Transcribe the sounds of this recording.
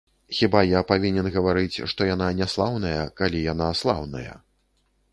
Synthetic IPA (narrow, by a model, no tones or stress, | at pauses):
xʲibajapavʲinʲɛnɣɐvaɾɨt͡sʲʂt̪ɔjan̪anʲɛslˠawnɐjɐkalʲijanaslˠa̰wnɐ̰jɐ̰